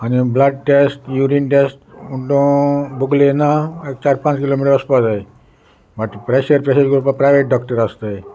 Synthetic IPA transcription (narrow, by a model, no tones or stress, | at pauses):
aniblaɖ̚ʈesʈjuɾinʈesʈuɳʈõbuɡlenaek̚t͡ɕaɾpãt͡ʃkilomiʈəɾɔspazae | baʈpɾeʃəɾpɾeʃəɾɡɾupapɾajʋeʈ̚ɖɔkʈəɾast̪ae